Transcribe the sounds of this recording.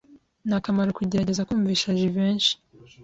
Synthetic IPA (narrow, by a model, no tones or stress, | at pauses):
nakamaɾukuɟe̞ɾaɟe̞zakuːɱviːʃaʒiβeːnʃi̥